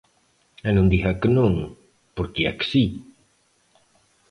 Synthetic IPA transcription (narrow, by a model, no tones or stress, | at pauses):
anund̪iɦakənoŋ | poɾkia̰ksi